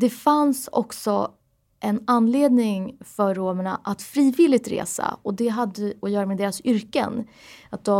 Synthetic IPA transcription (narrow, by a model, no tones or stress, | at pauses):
d̪ɛfansɔ̰ksɔ | ʔɛnanːleːd̪nɪŋfœɾːoːməɳaʔat̪fɾiːvɪlːɪɡ̚t̪ɾḛːsa̰ɔd̪ɛɦad̪ːəɔjœːɾamɛd̪eːɾasʏɾkə̰n | at̪̚d̪ɔ